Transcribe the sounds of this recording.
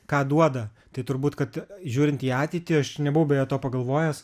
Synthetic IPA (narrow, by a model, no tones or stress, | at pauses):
kɑːd̪uɔd̪ɐ | t̪ɐɪt̪ʊɾbuːt̪kɐt̪ʒʲuːɾʲɪnt̪iːɑːt̪ʲɛɪt̪ʲɪɐʃnʲɛbʊʋɐʊbʲɛjɛt̪oːpɐɡɐlˠʋoːjɛs